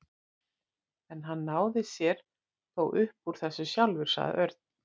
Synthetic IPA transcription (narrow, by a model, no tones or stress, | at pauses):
ɛnɦanːaːwðɪsjɛɾ̥ | θowʔʏhpuɾ̥θɛsːʏsjawlvʏɾ̥sa̰ɣðɪ̰ʔœɾt̪̚n